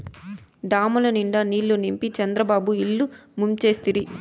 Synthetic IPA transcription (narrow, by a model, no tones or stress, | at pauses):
ɖaːmɐlɐniɳɖɐniːɭːunimpit͡ʃɐnd̪ɾɐbaːbuiɭːumumt͡ʃe̞ːst̪iɾi